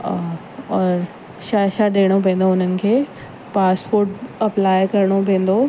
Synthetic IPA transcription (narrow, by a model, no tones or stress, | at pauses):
ɔːɾ | ʃaʃaɗeːɽ̃opẽːn̆d̪oʊn̤ənɪ̆kʰeː | paːspoːɾʈɐplaːjkɐɾɽ̃opẽːn̆d̪o